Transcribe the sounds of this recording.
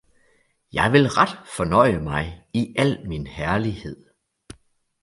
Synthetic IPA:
jɑ̈ɪʋe̝lʁad̥fɒ̽nɒ̽ɪ̰əmɑ̈ɪiʔæl̰minhæɐlihe̝ð̰ˠ

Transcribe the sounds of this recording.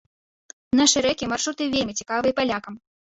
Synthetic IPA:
naʂɨɾɛkʲimarʂut̪ɨvʲelʲmʲit͡sʲi̥kavɨjpalʲakɐm

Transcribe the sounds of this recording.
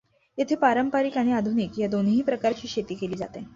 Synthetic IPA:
jet̪ʰeːpaɾəmpaɾikaɽ̃iad̪ʱunikjad̪onɦiːpɾəkaɾt͡ɕiːɕʰet̪iːkeliːd͡za̰t̪e

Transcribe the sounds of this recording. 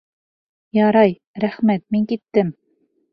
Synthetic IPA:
jɑɾɑj | ɾæχmæt̪̚miŋkit̪ːɘm

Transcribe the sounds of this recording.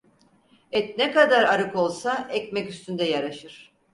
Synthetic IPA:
ɛt̪nɛkad̪aɾaɾɯko̞lˠsaʔɛcmɛcyst̪ʰynd̪ɛjaɾaʃɯɾ̥

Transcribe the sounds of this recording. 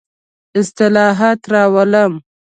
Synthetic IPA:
ɪst̪ɪlɑːɦat̪ɾɑːwaləm

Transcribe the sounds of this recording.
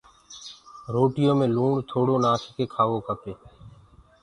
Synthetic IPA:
ɾoːʈɪjõːmẽːluːɳt̪ʰoːɽoːnaːskeːkʰaːʋoːkəpeː

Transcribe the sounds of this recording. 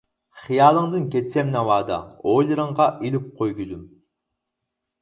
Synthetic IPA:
χijɑːlˠəŋd̪ɨnkʲɛt͡ʃʲɛmnɛwɑːd̪ɑ̰ojlˠɨɾəɴʁɑʔilyp̚qʰojɡʲyzum

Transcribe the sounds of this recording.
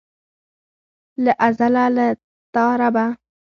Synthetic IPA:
ləʔazalalə | t̪ɑɾaba

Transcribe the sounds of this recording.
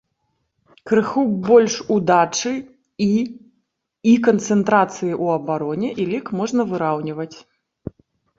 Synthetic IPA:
kɾɨxubɔlʲʂud̪at͡ʂɨ | i | ikɐnt̪sɛnt̪ɾat̪sɨjiʔuɐbaɾɔnʲɛʔilʲɛkmɔʐnɐvɨɾawnʲivɐt͡sʲ

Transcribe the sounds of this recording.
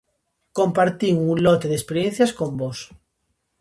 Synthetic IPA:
kõmpaɾt̪iŋuŋlot̪eðespeɾjẽn̟θjaskõmbos

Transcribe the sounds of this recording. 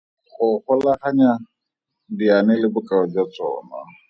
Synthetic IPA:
χʊχʊlaχaɲa | dianɪlɪbʊkʼaɔd͡ʒat͡sʼɔ̰ːna̰

